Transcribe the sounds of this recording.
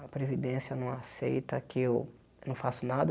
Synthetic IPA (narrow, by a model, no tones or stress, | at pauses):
ɐpɾevid̪ẽsjɐnɐ̃w̃asḛjt̪ɐkɪew | nɐ̃w̃fasʊnad̪ɐ